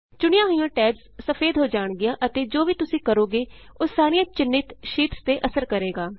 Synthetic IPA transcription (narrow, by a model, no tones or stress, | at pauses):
t͡ʃʊɽ̃ɪjãːɦjãːʈɛːbssəpʰeːd̪ɦoːd͡ʒaːɳɡɪjãːʔət̪eːd͡ʒoːʋiːt̪ʊsĩːkəɾoːɡeː | oːsaːɾijãːt͡ʃɪnːɪt̪ʃiːpst̪eːʔəsəɾkəɾeːɡaː